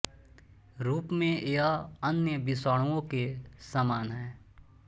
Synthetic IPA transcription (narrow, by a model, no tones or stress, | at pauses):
ɾuːpmẽʔeaənjəbɪsaːɽ̃ũõkesaːmaːnɦɛː